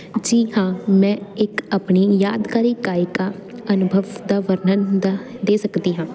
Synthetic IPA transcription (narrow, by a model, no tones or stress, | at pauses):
d͡ʒiːɦãːmɛ̃ːɪkapɳiːjaːd̪kaːɾiːkaːɪkaː | ənʊbʱəʋd̪aːʋəɾnənd̪ad̪eːsəkd̪iːɦãː